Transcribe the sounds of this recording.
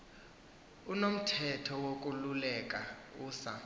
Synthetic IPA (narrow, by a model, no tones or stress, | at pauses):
unom̩tʰɛtʰɔwok̬ʼululɛkʼauːsa